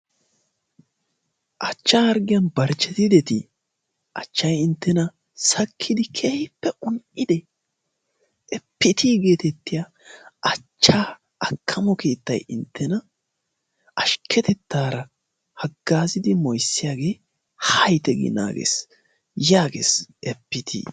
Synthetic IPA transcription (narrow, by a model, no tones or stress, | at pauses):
ʔɐt͡ʃːaːɐɾɡɪjɐnbɐɾt͡ʃːɛt̪ɪd̪ɛt̪ɪ | ʔɐt͡ʃːɐjɪnt̪ːɛnɐ | sɐkʰːɪd̪ɪkʰeːhɪpːɛʔʊnʔɪd̪ɛ | ɛpːɪt̪ʰiːɡe̞ːt̪ɛt̪ːɪja | ʔɐt͡ʃːaː | ɐkʰːɐmɔke̞ːt̪ːɐjɪnt̪ʰːɛnɐ | ʔɐʃkʰːɛt̪ɛt̪ːaːɾɐ | hɐɡːaːzɪd̪ɪmɔjsːɪjaːɡe̞ː | hɐjt̪ɛɡɪ̰na̰ːɡḛːs | jaːɡḛːsʔɛpːɪt̪ʰḭː